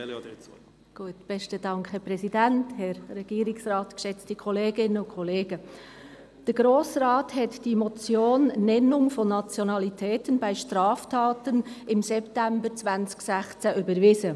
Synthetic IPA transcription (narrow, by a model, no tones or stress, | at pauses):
ɡ̥uətb̥ɛʃtədɑŋkhɛpɾɛsidænthɛɾɾɛɡ̥iːɾɪksɾaːtkʃɛt͡stikʰɔleːɡɪnənʊnkʰɔleːɡ̥ə | d̥əɾɡ̥ɾoːsrɑːthɛtd̥iːmɔt͡sjoːnːɛnʊŋfɔnːat͡sjonɑlitʰɛːtənbaɪʃtɾɑːftʰɑːtənɪmsɛptɛmbət͡svant͡sɪ̥ɡ̥sæχt͡sæʔybəɾvɪzə